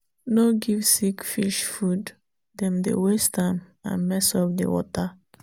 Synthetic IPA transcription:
noɡivsikfiʃfud | dɛ̃mdḛwestamã̰nmɛsɔvdḛwɔ̰ta

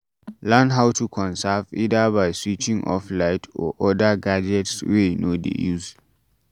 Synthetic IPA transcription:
lãndɦaʊtʰukʰɔ̃nsavidəbaɪswit͡ʃĩŋʔɔ̰flaɪtʰɔ̰ʔɔdəɡad͡ʒɛtswenodḛjuz

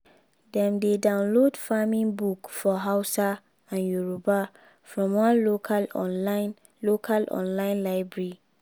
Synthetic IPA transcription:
dɛ̃mdedãʊ̃nlodfamĩnbukfɔɦaʊsa | ãnjuɹoba | fɹɔ̃mwãnlokʰalɔan | lokʰalʔɔ̰̃nlãɪ̃nlaɪbɹeɹi

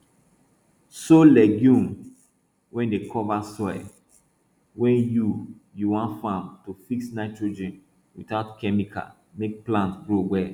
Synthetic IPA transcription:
solɛɡjũm | wɛ̃ndekʰɔvasɔɪ | wɛ̃njujuwãntfãmtufiksnaɪtɹod͡ʒɛ̃n | wḭtatkʰɛmikʰa̰ | mek̚plãntɡɹoɡwɛ

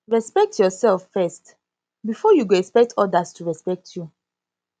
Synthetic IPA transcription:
ɹɛspɛk̚tʰjɔsɛlffɛst | bifɔjuɡoɛkspɛk̚tʰɔdastuɹɛspɛk̚tʰju

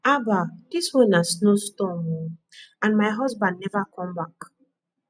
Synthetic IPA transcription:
abadiswɔ̃nasnostɔ̃m | ãnmaɪɦɔzbãndnɛvakɔ̃mbak

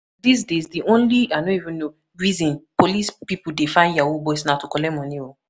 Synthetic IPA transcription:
dis̬dezdiõnlianoivĩnːo | ɹizĩnpolispipudefãɪ̃njawobɔsnatukɔlɛmɔ̃nio

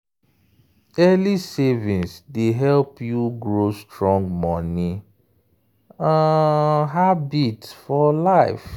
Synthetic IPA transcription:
ɛlisevĩnsdeɦɛlpjuɡɹostɹɔ̃ŋɡmɔni | aɦabitfɔlaɪf

